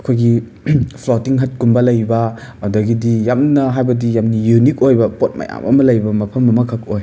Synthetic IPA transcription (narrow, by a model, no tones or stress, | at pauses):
ɐkʰojɡi | pʰlotiŋɦɐt̚kunbɐlɐjbɐ | ɐdɐɡidijamnɐɦajbɐdijamnijunikojbɐpot̚mɐ̰ja̰mɐ̰mɐlɐjbɐmɐpʰɐmɐmɐkʰɐkoj